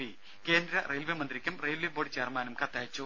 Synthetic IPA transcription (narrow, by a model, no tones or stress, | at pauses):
i | ke̞ːnd̪ɾɐrejlʋemɐnd̪ɾikʲːɐmrejlʋeboːɽit͡ɕeːrmaːnɐmkɐt̪ːɐɦɐt͡ɕːu